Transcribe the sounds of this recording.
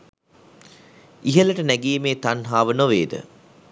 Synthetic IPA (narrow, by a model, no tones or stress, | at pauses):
iɦələʈənæɡiəmeːt̪anɦaːʋənoʋeːd̪ə̰